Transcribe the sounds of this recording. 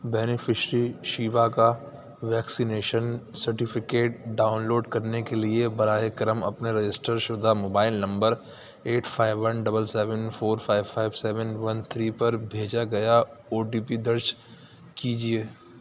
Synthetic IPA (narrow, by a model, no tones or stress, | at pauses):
bɛːnɪfʰɪʃɾiʃiːʋaka | ʋɛːksineːʃənsɐɾʈɪpʰɪkeːʈ̚ɖaːʊnloːɖkɐɾnekeliebɐɾaːekɐɾəmɐ̰pneɾɐd͡ʒɪsʈəɾʃʊd̪ʱamoːbaːɪlnɐ̃mbəɾ | eːʈʰfʰaːɪʋːɐnɖɐbəlsɛːʋənfʰoːɾfʰaːɪʋfʰaːɪbsɛːʋənʋɐnt̪ʰɾiːpɐɾbʱeːd͡ʒaɡɐjaoːɖiːpid̪ɐɾʃ | kiːd͡ʒieː